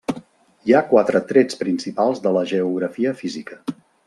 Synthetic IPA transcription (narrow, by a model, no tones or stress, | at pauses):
iakwat̪ɾət̪ɾɛt͡spɾinsipalˠzðələʒəuɣ̞ɾəfiəfizikə